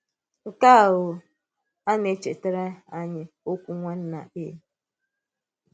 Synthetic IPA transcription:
ŋ̩˨ka˦˨ɦʊ˨ | a˦ne˨˦t͡ʃe˨te˦ɾe˦a˦ɲɪ˦ | o˦kʷu˦ŋʷa˦n̩˦na̰˨e˦˨˦

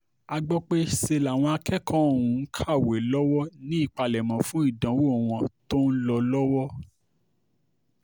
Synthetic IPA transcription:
a˧ɡ͡bɔ˦k͡pe˦se˧la˨w̃ɔ̃˧a˧kɛ˦kɔ̃˦o˦˨ũ˨˦kʰa˦˨we˨lɔ˦wɔ˦nĩ˦i˦˨k͡pa˧lɛ˨mɔ̃˨fũ˦i˦˨dã˨˦wo˦o˨w̃ɔ̃˧to˦n̩˦lɔ˧lɔ˦wɔ˦

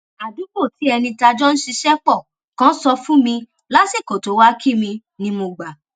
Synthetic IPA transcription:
a˨du˨˦ko˦˨ti˨˦ɛ˧nĩ˧ta˧d͡ʒɔ˦ñ̩˦ʃi˧ʃɛ˦k͡pɔ˦˨ | kã˦sɔ˧fũ˦mĩ˧ | la˦si˦˨ko˨to˨˦wa˦kʰi˦˨mĩ˧ | nĩ˧mo˧ɡ͡ba˨

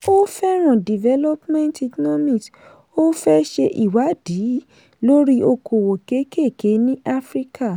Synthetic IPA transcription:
o˦fɛ˦ɾ̃ã˨di˨vɛ˦lɔ˦pmɛ̃˦nti˧kɔ˦nɔ˦mĩ˦˨t | o˦fɛ˦ʃe˧ʔḭ˨wa˨˦di˨˦ | lo˦ɾi˦ʔo˧ko˨wo˨ke˨˦ke˦˨ke˨˦nĩ˦ʔa˦fɾi˦kʰa˦˨

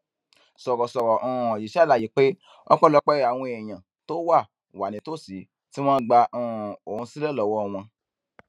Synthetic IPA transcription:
sɔ˨ɾɔ˨sɔ˨ɾɔ˨ʔɔ̃˦˨ji˨ʃa˦la˨ji˨˦k͡pe˦ | ɔ̰˦k͡pɔ˦lɔ˧k͡pɛ˦˨a˨w̃ɔ̃˧ɛ˨j̃ã˨ | to˦wa˦˨ | wa˨nĩ˨˦to˦˨si˨˦ | ti˦w̃ɔ̃ː˦ɡ͡ba˧ɔ̃˧˨o˨hũ˧si˦lɛ˦˨lɔ˨wɔ˦˧w̃ɔ̃˧

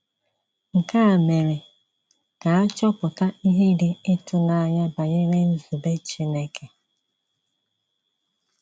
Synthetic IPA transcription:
ŋ̩˨ka˦a˨me˨ɾɪ˨ | ka˨a˦t͡ʃɔ˦pʊ˨ta˦i˦ɦe˦dɪ˦ɪ˦tʊ˨na˦a˦ɲa˦ba˨ɲe˦ɾe˦n̩˦zu˨be˦t͡ʃi˦ne˦kʰe˨

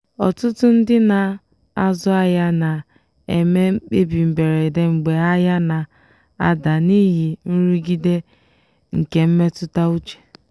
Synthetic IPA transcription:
ɔ˨tʊ˦tʊ˦n̩˦dɪ˦na˨ | a˦zɔ˦a˦ja˦na˨ | e˨me˦k͡pe˦bi˨m̩˨be˨ɾe˨de˦ŋ͡m̩˨ɡ͡be˨a˦ja˦na˨ | a̰˦da˨ni˦ɦi˨n̩˦ɾi˦ɡi˦de˦ | ŋ̩˨ke˦m̩˦me˦tʊ˦ta˦u˦t͡ʃe̥˨

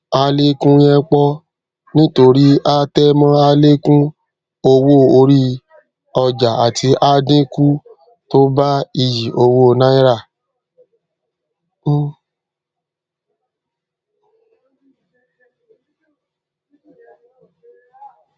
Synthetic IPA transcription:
a˧le˦kũ˦jɛ̃˦k͡pɔ˦ | nĩ˦to˧ɾi˦a˦tɛ˦mã˦a˧le˦kũ˦ | o˧wo˦˨o˧ɾi˦ | ɔ˧d͡ʒa˨a˨tʰi˧˦ʔa˦dĩ˦ku˦ | to˦ba˦i˧ji˨o˧wo˦o˧nã˦i˦ɾa˦˨

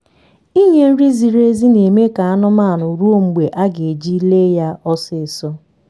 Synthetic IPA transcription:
i˦ɲe˦n̩˦ɾi˦zi˨ɾe˦zi˦ne˨me˦ka˨a˦nʊ˦ma˦˨nʊ˨ɾu˦o˦ŋ͡m̩˨ɡ͡be˨ʔa˦ɡe˨e˨d͡ʒi˦le˦ja˦ʔɔ˦sɪ˨sɔ˦

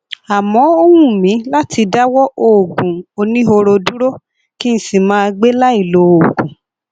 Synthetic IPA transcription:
a˨mɔ̃˨˦o˦wũ˦˨mĩ˨˦la˦tʰi˧da˦wɔ˦ʔoː˨ɡũ˨o˧nĩ˦ɦo˧ɾo˧dũ˦ɾo˦ | kĩ˦ñ̩˦˨si˨mãː˦˧ɡ͡be˦la˦i˦˨lo˨o˨ɡũ˨

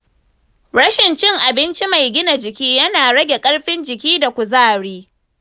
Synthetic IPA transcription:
ɽɐ˦ʃɪ˨nt͡ʃɪ˦ŋʔa˨bɪ˦nt͡ʃi˦ma˨jɡʲɪ˦na˨d͡ʒɪ˨kʲiː˦jɐ˦naː˨ɽɐ˦ɡʲe˨kʼɐ˦ɽɸɪ˦nd͡ʒɪ˨kʲiː˦da˨kʷu˨zaː˦˨ɽiː˦

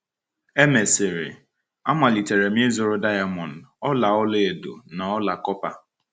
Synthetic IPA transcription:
e˦me˨sɪ˨ɾɪ̰˨ | a˦mʷa˨li˨te˨ɾe˨m˦e˦zʊ˨ɾʊ˦da˦ja˨mɔ˨n̩˨ɔ˦la˨ɔ˦le˦e˨do̰˨na˨ɔ˦la˨kɔ˦pa˨

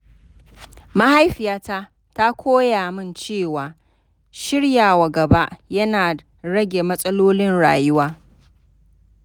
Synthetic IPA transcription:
ma˦ha˦jɸɪ˨jaː˦ta˦ | ta˦kʷʰoː˦jaː˨mɪ˦nt͡ʃeː˦˨waː˨ | ʃɪ˦ɽjaː˨wa˨ɡɐ˨ba˦ʔjɐ˦naː˨ | ɽɐ˦ɡʲe˨mɐ˦sʼɐ˦loː˦lɪ˦nɽa̰ː˨jʊ˦waː˦

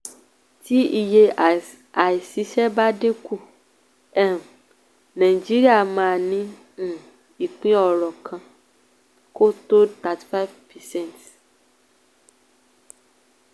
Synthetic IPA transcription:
ti˨˦i˨je˧ | a˨i˨si˨˦ʃɛ˦ba˦dĩ˦ku˦˨ | ɛ˦˨ | nã˨ĩ˨d͡ʒi˦ɾi˦a˦˨mãː˦˨nĩ˦˨ | i˨k͡pĩ˦ɔ˨ɾɔ˨kʰã˧ | ko˦to˦ta˨ti̥˨fa˦vpɛ˨sɛ̃˦˨t

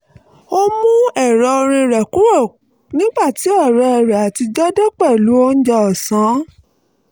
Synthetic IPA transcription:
o˦mũ˦ɛ˦˨ɾɔ˨˧o˧ɾ̃ĩ˧ɾɛ˨ku˦ɾo˦˨ | nĩ˦ɡ͡ba˦˨ti˨˦ɔ˦˨ɾɛ˧ɛ˨ɾɛ˨a˨ti˧d͡ʒɔ˦dɛ˦k͡pɛ˦˨lu˨˦o˦n̩˦d͡ʒɛ˦ɔ˨sã˨˦

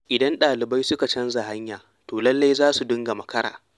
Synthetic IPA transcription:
ʔɪ˨dɐ˦nɗaː˨lɪ˨ba˦jsʊ˦ka˨t͡ʃɐ˦nza˨ha˦ɲjaː˨ | toː˨lɐ˦lːa˦jzaː˦su˨dʊ˦ŋɡa˨mɐ˨kɐ˦ɾa̰ː˨

